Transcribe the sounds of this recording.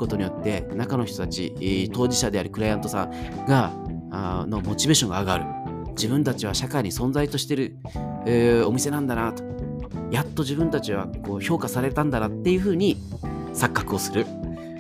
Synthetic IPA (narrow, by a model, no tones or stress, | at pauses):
ko̞t̪o̞ɲ̟ijo̞t̪ːe̞nakano̞çi̥t̪o̞t̪at͡ɕḭt̪o̞ːʑiɕad̪e̞aɾɯ̟kɯ̟ɾajãnt̪o̞sã̰ŋɡa | no̞mo̞t͡ɕibe̞ːɕõ̞ŋɡaːɡaɾɯ̟ | d͡ʑibɯ̟̃nt̪at͡ɕiβ̞aɕakaiɲ̟isõ̞nzait̪o̞ɕi̥t̪e̞ɾɯ̟ | o̞mʲise̞nãnd̪anat̪o̥ | jat̪ːo̞ʑibɯ̟̃nt̪at͡ɕiβ̞ako̞ːço̞ːkasaɾe̞t̪ãnd̪anat̪ːe̞jɯ̟ɸɯ̟ːɲ̟i | sakːakɯ̟o̞sɨɾɯ̟